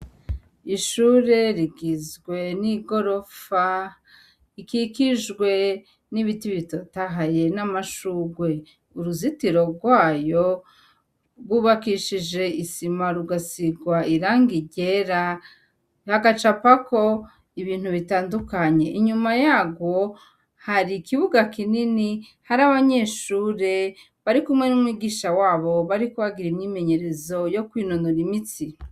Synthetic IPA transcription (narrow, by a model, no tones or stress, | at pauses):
iʃuɾe̞ɾiɡizɡwe̞niɡo̞ɾo̞fa | ikikiʒɡwe̞ | niβitiβito̞taɦaje̞namaʃuːɡwe̞ | uɾuzitiɾo̞ɡwaːjo̞ | ɾɡuːβakiʃid͡ʒe̞isimaɾuɡasiɡwaiɾaːŋɡiɟeɾa | haɡat͡ʃapako̞ | iβiːn̥huβitaːndukaɲe̞ʔiɲumajaːɡwo̞ | haɾikiβuɡakinini | haɾaβaɲe̞ːʃuːɾe̞ | βaɾikumŋe̞numŋwiːɡiːʃawaːβo̞βaɾikuβaɡiɾimɲime̞ɲe̞ɾe̞zo̞jo̞kwiːnonoɾimit͡si